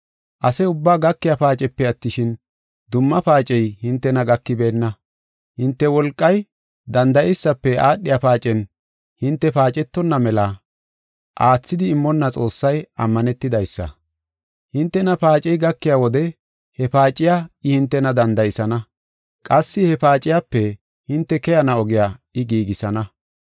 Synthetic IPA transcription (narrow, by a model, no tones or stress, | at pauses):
ʔɐsɛʊbːaːɡɐkːɪjapaːt͡ʃʼɛpːɛɐt̪ːɪʃɪn | d̪ʊmːɐpaːt͡ʃʼɛjhɪnt̪ːɛnɐɡɐkːɪbe̞ːnːɐ | hɪnt̪ːɛwɔlkʼːɐj | d̪ɐnd̪ɐjɛjsːɐpːɛaːɗːɪjapaːt͡ʃʼɛn | hɪnt̪ːɛpaːt͡ʃʼɛt̪ːɔnːɐmɛlɐ | ʔaːt͡sːɪd̪ɪːmːɔnːɐt͡sʼo̞ːsːɐjɐmːɐnɛt̪ːɪd̪ɐjsːɐ̰ | hɪnt̪ːɛnɐpaːt͡ʃʼɛjɡɐkːɪjawɔd̪ɛ | hɛpaːt͡ʃʼːɪjaɪhɪnt̪ːɛnɐd̪ɐnd̪ɐjɪsɐnɐ | kʼɐsːɪhɛpaːt͡ʃʼɪjapːɛ | hɪnt̪ːɛkɛjɐnɐɔɡɪjaɪɡiːɡɪsɐnɐ